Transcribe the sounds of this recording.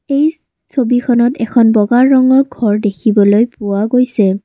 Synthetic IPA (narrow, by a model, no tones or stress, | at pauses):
ej | sobikʰɔnɔtɛkʰɔnbɔɡaɹːɔŋɔɹɡʱɔɹdekʰibɔlojpʊwaɡojsɛ